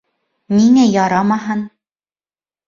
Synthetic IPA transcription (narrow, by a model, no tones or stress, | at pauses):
niŋæjɒɾɑmɑɦɤn